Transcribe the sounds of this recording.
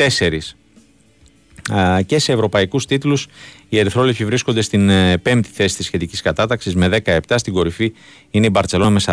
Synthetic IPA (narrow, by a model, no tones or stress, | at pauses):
t̪e̞se̞ɾis | ce̞se̞ːvɾo̞pɐikust̪it̪lusie̞ɾθɾo̞lepsivɾisko̞nd̪e̞st̪inːpe̞mt̪i̥θe̞si̥t̪isçe̞t̪iciskɐt̪ɐt̪ɐksizme̞ðe̞kɐe̞pt̪ɐst̪iɡo̞ɾifi | ine̞ibɐɾt̪e̞lo̞nɐme̞sɐ